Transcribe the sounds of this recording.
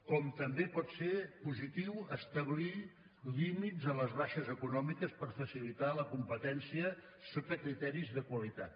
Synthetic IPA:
kɔmt̪əmbepɔt̪seɾpuzit̪iwəst̪əβ̞li | limidzələzβaʃəzəkunɔmikəspəɾfəsilit̪aləkumpət̪ɛnsiə | sot̪əkɾit̪ɛɾizðəkwəlit̪at̪̚

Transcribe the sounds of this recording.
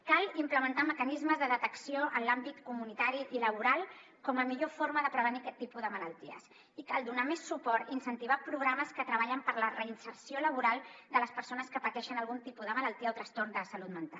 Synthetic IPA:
kalˠimpləmənt̪aməkənizməzðəðət̪əksioʔənlambit̪kumunit̪aɾiʔiləβuɾalˠ | kɔməmiʎofoɾməðəpɾəβ̞ənikɛt̪ːipuðəmələlˠt̪iə̰s | ikalˠd̪unamesːupɔɾt̪insənt̪iβapɾuɣɾaməskət̪ɾəβ̞aʎəmpəɾlərəinsəɾsioləβuɾalˠd̪ələspəɾsonəskəpət̪ɛʃənəlˠɣunt̪ipuðəmələlˠt̪iəot̪ɾəst̪ornd̪əsəlut̪mənt̪al

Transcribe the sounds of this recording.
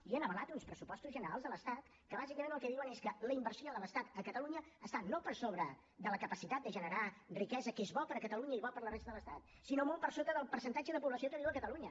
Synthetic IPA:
iənəβəlat̪unspɾəsupɔst̪uzʒənəɾalzðələst̪at̪ | kəβazikəmẽnəlˠkɛðiwəneskələimbəɾsijoðələst̪at̪əkət̪əluɲəːst̪anopəɾsoβɾə | d̪ələkəpəsit̪at̪̚d̪əʒənəɾarikɛzəkezβɔpəɾəkət̪əluɲəiβɔpəɾlərɛst̪əðələst̪at̪̚ | sinomolˠpəɾsot̪əðəlˠpəɾsənt̪ad͡ʒəðəpuβləsiok̪əðiwəkət̪əluɲə

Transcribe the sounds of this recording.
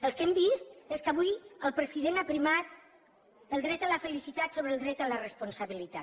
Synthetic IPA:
əlˠskɛmbist̪eskəβujəlˠpɾəziðenapɾimat̪̚ | əlˠd̪ɾɛt̪ələfəlisit̪at̪soβɾəlˠd̪ɾɛt̪ələrəspunsaβilit̪a

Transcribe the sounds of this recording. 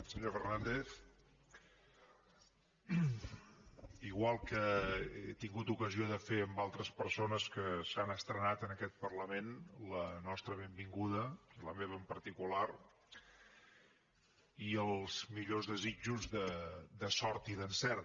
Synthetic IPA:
səɲofərnand̪ef | iɣwalˠkəet̪iŋɡut̪ukəzioðəfeəmbalˠt̪ɾəspəɾsonəskəsanəst̪ɾənat̪ənəkɛt̪̚pərləmenlənɔst̪ɾəβembiŋɡuðəiləmeβ̞əmpəɾt̪ikular | iəlˠz̥miʎozðəzid͡ʒuzðəd̪əsɔɾt̪iðənsɛɾ

